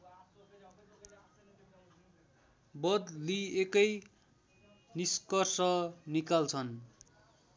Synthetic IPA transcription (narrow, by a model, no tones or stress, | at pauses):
bʌd̪liekʌj | niskʌrsʌnikalt͡sʰʌn